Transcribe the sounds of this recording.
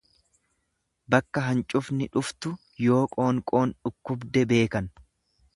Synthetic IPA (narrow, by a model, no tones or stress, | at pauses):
bɐkːɐɦɐnt͡ʃʼʊfnɪᶑʊft̪ʊ | jo̞ːkʼo̞ːŋkʼo̞ːnᶑʊkːʊbd̪ɛbe̞ːkɐn